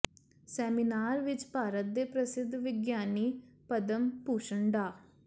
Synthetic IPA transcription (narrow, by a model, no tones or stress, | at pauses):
sɛːminaːɾʋɪt͡ʃpaːɾət̪̚d̪eːpɾəsɪd̪ʱːʋɪɡjaːniːpəd̪əmpuːʃəɳɖaː